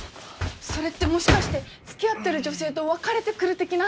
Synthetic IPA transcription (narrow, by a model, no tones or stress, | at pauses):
so̞ɾe̞t̪ːe̞mo̞ɕi̥kaɕi̥t̪e̞ | t͡sɨ̥kʲijat̪ːe̞ɾɯ̟ʑo̞se̞ːt̪o̞βakaɾe̞t̪e̞kɯ̟ɾɯ̟t̪e̞kʲina